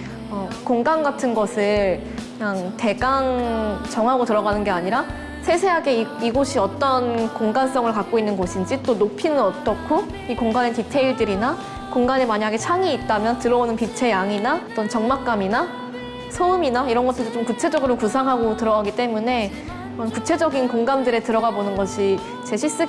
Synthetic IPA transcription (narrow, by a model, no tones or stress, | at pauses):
ʌkoŋɡanɡatʰɯnɡʌsʰɯɭ | kɯɲaŋte̞ɡaŋt͡ɕʌŋɦaɡotɯɾʌɡanɯnɡe̞aɲiɾa | sʰe̞sʰe̞ɦaɡe̞iiɡoɕʰiʌt͈ʌnkoŋɡans͈ʌŋɯɭkak̚k͈oinːɯnɡʌɕʰind͡ʑit͈onopʰinɯnʌt͈ʌkʰo | ikoŋɡanetitʰe̞iɭdɯɾina | koŋɡane̞maɲaɡe̞t͡ɕʰaŋiːt̚t͈amjʌntɯɾʌonɯnpit͡ɕʰe̞jaŋinaʌt͈ʌnt͡ɕʌŋmak̚k͈amina | sʰouminaiɾʌnɡʌtʰɯdot͡ɕomkut͡ɕʰe̞d͡ʑʌɡɯɾokusʰaŋɦaɡotɯɾʌɡaɡit͈e̞mune̞ | ʌnkut͡ɕʰe̞d͡ʑʌɡinkoŋɡamdɯɾe̞tɯɾʌɡabonɯnɡʌɕʰi | t͡ɕe̞ɕʰiɭs͈ɯ